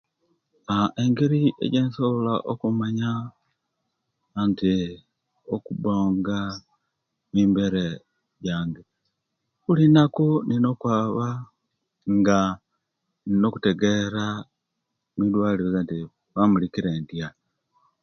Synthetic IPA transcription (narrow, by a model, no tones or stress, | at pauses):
aʔeŋɡeɾiḛɟeːnsolaʔokumaɲa | nti | okuboːŋɡa | miːmbeɾe | ɟaːŋɡe | ulinakunino̞kwaːβa | ŋɡa | nino̞ku̥teɡeɾa | midwaːliɾezanti | βamulikiɾeːndja